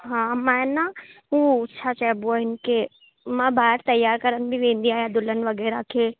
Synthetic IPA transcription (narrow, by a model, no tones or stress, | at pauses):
ɦãmana | uʊtːʃʰat͡ʃɛːboɦɪnke | mabʱaɾt̪əjːaːɾkəɾənbʱiʋẽːnd̪ijajad̪ʊlənʋəɡɛɾakʰe